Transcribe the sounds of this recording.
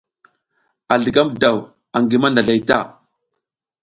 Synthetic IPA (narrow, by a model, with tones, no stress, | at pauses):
a˨ɮə˨ɡa˦mda˨w | a˨ŋɡi˨ma˦nda˨ɮa˨jta̰˦˨